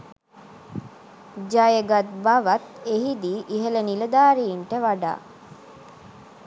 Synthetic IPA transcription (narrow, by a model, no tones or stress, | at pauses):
d͡ʒajəɡat̪̚baʋat̪eɦid̪iːʔiɦələniləd̪aːɾijiɳʈəʋaɖa̰ː